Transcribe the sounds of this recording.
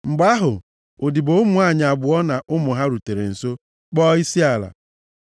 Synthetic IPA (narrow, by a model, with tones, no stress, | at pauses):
ŋ͡m̩˨ɡ͡ba˦ɦʊ̰˨ | o˨di˨bo˦ʊ˦mu˨a˦˨ɲ˨a˨bʊ˨ɔ˦na˨ʔʊ˦mʊ˨ɦa˦ɾu˨te˨ɾḛ˨n̩˨so˦ | k͡pɔ˦i˦si˦a˨la̰˨